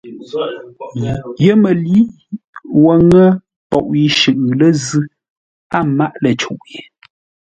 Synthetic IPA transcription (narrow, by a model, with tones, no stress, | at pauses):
jə˦mə˨li˦ | wə˨ŋə˦ | pɔ̰˨ʔji˨ʃɨ˨ʔʉ˨lə˦zɨ˦ | a˦˨ma˦ʔlə˨t͡ʃu˨ʔji˨